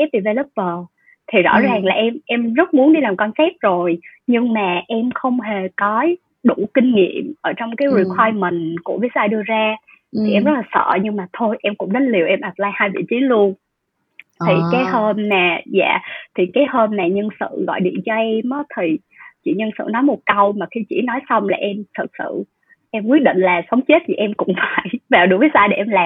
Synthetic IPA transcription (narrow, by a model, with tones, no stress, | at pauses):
ɛ˦˥p̚vi˨˩ve˧˩lə˦˥p̚vəː˨˩ | t̪ʰi˨˩zɔ̰˧˥zaː˨˩ŋlaː˨˩ʔɛ˧mʔɛ˧mzə˦˥t̚mu˨˦ənɗi˧laː˨˩mkɔ˧nsɛ˦˥p̚zo˨˩jɲɨ˧ŋmaː˨˩ʔɛ˧mxə˧wŋ͡mɦe˨˩kɔ˨˦ | ɗu˧˩kï˧ŋ̟ŋḭ˧˨əmʔəː˧˩t͡ɕɔ˧wŋ͡mkaː˨˦jzi˧˨˩kʰwaː˧jmï˨˩ŋ̟ku˧˩vi˨˦k̚zaː˧jɗɨ˧əzaː˧ | t̪ʰi˨˩ʔɛ˧mzə˦˥t̚laː˨˩sə̰ː˧˨ɲɨ˧ŋmaː˨˩t̪ʰo˧jʔɛ˧mkʊ̰˧˥ŋ͡mɗə˨˦nli˨˩əwʔɛ˧mʔaː˨˩p̚laː˧jhaː˧jvḭ˧˨t͡ɕi˨˦lu˧ən | t̪ʰi˨˩kaː˨˦jhəː˧mnaː˨˩za̰ː˧˨t̪ʰi˨˩kaː˨˦jhəː˧mnaː˨˩ɲə˧nsɨ̰˧˨ɣɔ̰˧˨jɗḭ˧˨ənt͡ɕɔ˧ʔɛ˧mʔəː˨˦t̪ʰi˨˩ | t͡ɕḭ˧˨ɲə˧nsɨ̰˧˨nɔ˨˦jmo˨˩t̚kə˧wmaː˨˩xi˧t͡ɕḭ˧˨nɔ˨˦jsa˧wŋ͡mlaː˨˩ʔɛ˧mt̪ʰɨ˨˩t̚sɨ̰˧˨ | ʔɛ˧mkwi˦˥ət̚ɗḭ̈˧˨ŋ̟laː˨˩sa˨˦wŋ͡mt͡ɕe˦˥t̚t̪ʰi˨˩ʔɛ˧mkʊ̰˧˥ŋ͡mfaː˧˩jvaː˨˩wɗu˧˩vəː˨˦jzaː˧jɗe˧˩ʔɛ˧mlaː˨˩